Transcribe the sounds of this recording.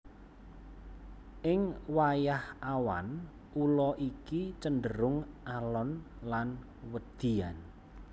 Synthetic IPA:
ʔɪŋwajahʔawa̰n | ʔulɔʔikit͡ʃənɖəɾʊŋʔalɔnlan | wəd̪̥i̤an

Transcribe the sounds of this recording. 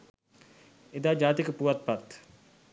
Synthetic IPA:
ed̪aːd͡ʒaːt̪ikpuʋɐt̪̚pat̪

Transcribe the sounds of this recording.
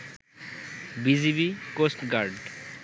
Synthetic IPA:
bizibikosʈɡaɾɖ

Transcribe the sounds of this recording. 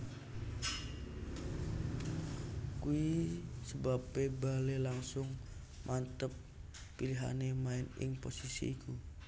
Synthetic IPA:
kuisəbapebalelaŋsʊŋ | mʔant̪əpː | iliɦa̰nemaɪnɪ̰ŋposisḭːkʰu

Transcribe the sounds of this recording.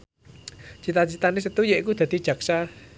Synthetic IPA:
t͡ʃit̪at͡ʃit̪anis̬et̪ujeʔkud̪at̪id͡ʒ̥ak̚sa

